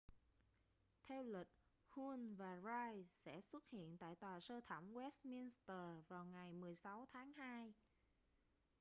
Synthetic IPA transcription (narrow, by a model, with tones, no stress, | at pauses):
t̪ʰɛ˧wli˨˩k̚ | hu˧nvaː˨˩zaː˧jsɛ̰˧˥swə˦˥t̚hḭ˧˨ənt̪a̰ː˧˨jt̪waː˨˩səː˧t̪ʰə˧˩ŋ͡mwɛ˦˥st̚mi˧nst̪əː˨˩vaː˨˩wŋa˨˩jmɨ˨˩əjsa˨˦wt̪ʰaː˨˦ŋhaː˧j